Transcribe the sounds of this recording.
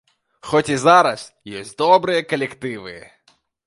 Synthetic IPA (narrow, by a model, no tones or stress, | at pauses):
xɔtʲizɑɾɐs | jɔsʲtʲd̪ɔbɾɨjɛkɔlʲekt̪ɪʋɪ̰